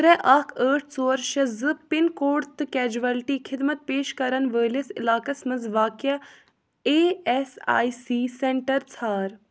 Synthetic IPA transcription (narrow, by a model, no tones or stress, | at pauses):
t̪ɾɛʔɐkʰəːʈʰt͡soːɾʃɐzɨpɪnkoːɾt̪ɨkɛːd͡ʒuʋɐlʈiːkʰɪd̪mɐt̪̚peːʃkɐɾɐnʋəːlisɪ̰laːkɐsmɐzʋaːkja | eːesa̰ːjsiːseɳʈɐɾt͡sʰaːɾ